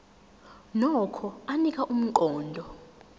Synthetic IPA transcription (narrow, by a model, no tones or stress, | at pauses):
nɔkʰɔanikʼaʔum̩ǃɔːndʱɔ